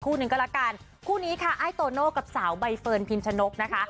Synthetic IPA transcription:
kʰuː˥˩nɯ˨˩ŋk̬ɔ˥˩ɾa˦˥kaː˧˩n | kʰuː˥˩niː˦˥kʰa˥˩ʔa˦˥jt̪oː˧noː˥˩ka˨˩p̚saː˩˦wba˧jfɤː˧npʰi˧nt͡ɕʰa˧no˦˥k̚na˦˥kʰa˦˥ʔ

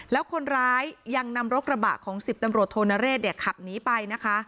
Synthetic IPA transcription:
lɛː˦˥wkʰo˧nɾaː˦˥jːa˧ŋna˧mɾo˦˥k̚ɾa˧ba̰ː˨˩t̪̚kʰɔː˩˦ŋsi˨˩p̚t̪a˧mɾu˨˩ət̪ʰːoː˧na˧˥ɾeː˥˩t̪̚deː˨˩kʰːa˨˩p̚niː˦˥pa˧jna˦˥kʰa˦˥

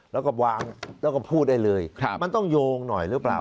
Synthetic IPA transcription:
lɛː˦˥wkɔː˥˩waː˧ŋlɛː˦˥wkɔ˥˩pʰuː˥˩t̪̚a˥˩jlɤː˧jʰma˧nt̪ɔ˥˩ŋjoː˧ŋnɔ˨˩jɾɯ˦˥pla̰ː˨˩w

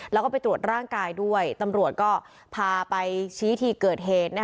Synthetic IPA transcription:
lɛː˦˥kɔː˥˩pa˧jt̪ɾu˨˩ə˩t̪̚ɾaː˥˩ŋkaː˧jdu˥˩əjt̪a˧mɾu˨˩ət̪̚kɔː˥˩ | pʰaː˧pa˧jt͡ɕʰiː˦˥t̪ʰiː˧˩kɤː˨˩t̪̚ɦeː˨˩t̪̚na˦˥

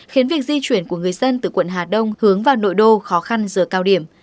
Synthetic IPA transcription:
xi˨˦nvi˨˩ək̚zi˧t͡ɕwi˧˩ənku˧˩əŋɨ˨˩əjzə˧nt̪ɨ˧˩kwə̰˧˨nɦaː˨˩ɗə˧wŋ͡mhɨ˨˦əŋvaː˨˩wno̰˧˨jɗo˧˩xɔ˨˦xa˧nzɨː˨˩kaː˧wɗi˧˩əm

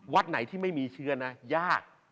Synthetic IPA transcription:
wa˦˥t̪̚na˨˩˦jt̪ʰiː˥˩ma˥˩jmiː˧t͡ɕʰɯ˦˥ɐna˦˥jaː˥˩k̚

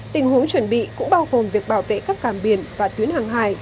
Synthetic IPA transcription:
t̪ï˨˩ŋ̟hu˨˦əŋt͡ɕwə˧˩nɓḭ˧˨kʊ̰˧˥ŋ͡mɓaː˧wɣo˨˩mvi˨˩ək̚ɓaː˧˩wvḛ˧˨kaː˦˥kːaː˧˩mɓi˧˩ənvaː˨˩t̪wi˨˦ənhaː˨˩ŋɦaː˧˩j

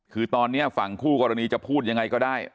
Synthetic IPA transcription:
kʰɯː˧t̪ɔː˧nːi˦˥ɐfa˨˩ŋkʰuː˥˩kɔː˧ɾa˧niː˧t͡ɕa˨˩pʰuː˥˩t̪̚ja˧ŋːa˧jkɔː˥˩daː˥˩j

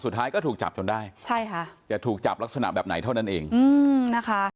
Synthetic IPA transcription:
su˨˩t̪̚ʰːaː˦˥jkɔː˥˩t̪ʰu˨˩k̚t͡ɕa̰˨˩p̚t͡ɕo˧ndaː˥˩jt͡ɕʰa˥˩jkʰa˦˥t͡ɕa˨˩t̪ʰuː˨˩k̚t͡ɕa˨˩p̚la˦˥k̚sa˧na̰˨˩bɛː˨˩p̚na˩˦jt̪ʰa˥˩wna˥˩nʔeː˧ŋʔɯː˧na˦˥kʰa˦˥

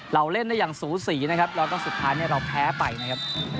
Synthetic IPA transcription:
ɾa˧wle˥˩nda˥˩jaː˨˩ŋsuː˩˦siː˩˦na˦˥kʰa˦˥p̚lɛː˦˥wkɔː˥˩su˨˩t̪ʰːaː˦˥jniː˥˩ɾa˧wpʰɛː˦˥pa˧jna˦˥kʰa˦˥p̚

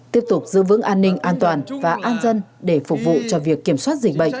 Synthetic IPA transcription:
t̪i˦˥əp̚t̪ʊ˨˩k͡p̚zɨ̰˧˥vɨ̰˧˥ŋʔaː˧nːï˧ŋ̟ʔaː˧nt̪waː˨˩nvaː˨˩ʔaː˧nzə˧nɗe˧˩fʊ˨˩k͡p̚vṵ˧˨t͡ɕɔ˧vi˨˩əkːi˧˩əmswaː˦˥t̚zï˨˩k̟̚ɓə̰˧˨jŋ̟

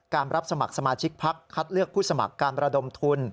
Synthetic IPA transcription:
kaː˧nɾa˦˥p̚sa˧ma˨˩k̚sa˧maː˧t͡ɕʰi˦˥k̚pʰa˦˥kʰːa˦˥t̪̚lɯ˥˩k̚pʰuː˥˩sa˧ma̰˨˩kːaː˧nɾa˧do˧mt̪ʰu˧n

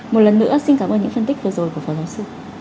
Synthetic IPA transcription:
mo˨˩t̚lə˨˩nːɨ̰˧˥əsi˧nkaː˧˩məː˧nɲɨ̰˧˥ŋfə˧nt̪i˦˥k̚vɨ˨˩əzo˨˩jku˧˩əfɔː˨˩zaː˨˦wsɨ˧

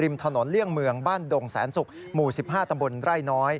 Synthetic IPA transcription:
ɾi˧mt̪ʰa˧no˩˦nli˥˩əŋmɯ˧əŋbaː˥˩ndo˧ŋsɛ̰ː˩˦nsu˨˩k̚ | muː˨˩si˨˩p̚haː˥˩t̪a˧mbo˧nɾa˥˩jnɔː˦˥j

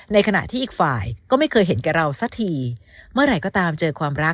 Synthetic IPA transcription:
na˧jkʰa˧na̰˨˩t̪ʰiː˥˩ʔiː˨˩k̚faː˨˩jkɔː˥˩ma˥˩jkʰɤː˧jɦe˩˦nkɛː˨˩ɾa˧wsa˧˥t̪ʰiː˧ | mɯ˥˩ɐɾa˧˩jkɔː˥˩t̪aː˧mt͡ɕɤː˧kʰwaː˧mɾa˦˥k

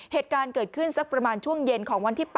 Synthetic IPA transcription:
heː˨˩t̪̚kaː˧nkɤː˨˩t̪̚kʰɯ˥˩nsa˦˥k̚pɾa˧maː˧nt͡ɕʰu˥˩əŋje˧nkʰɔː˩˦ŋwa˧nt̪ʰiː˥˩p

